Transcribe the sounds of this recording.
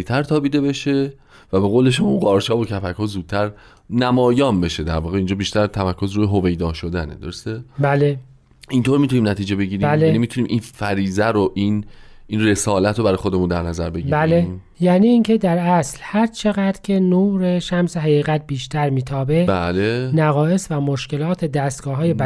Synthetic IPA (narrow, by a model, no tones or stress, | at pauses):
it̪ʰæɾt̪ʰɒːbiːd̪e̞be̞ʃe | væbe̞ɣoːleʃomuɢɒːɾt͡ʃʰɒːbocʰæfækhoːzuːd̪̚t̪ʰæɾ | næmɒːjɒːnbe̞ʃed̪æ̰ɾvɒːɣeiːnd͡ʒɒːbiːʃt̪æɾt̪ʰæmæɾkʰːozɾuːjeɦove̞jd̪ɒːʃod̪ænḛd̪oɾost̪ebæːle | int̪oːɾmit̪ʰuniːmnæt̪ʰiːd͡ʒebe̞ɟiːɾimbælenimit̪ʰuniːmʔinfæɾiːzæɾoʔininre̞sɒːlæt̪ʰɾobæɾɒːjxod̪emund̪æɾnæzæɾbeɡibæle | jæːniːiːŋcʰe̞d̪æɾæslhæɾt͡ʃʰe̞ɣæd̪ɾcʰe̞noːɾeʃæmseɦæɣiːɣæt̪̚biːʃt̪ʰæɾmiːt̪ʰɒːbe̞bælenæɣɒːe̞svæmoʃce̞lɒːt̪ʰed̪æːst̪̚ɡ̥ɒːɦɒːjeb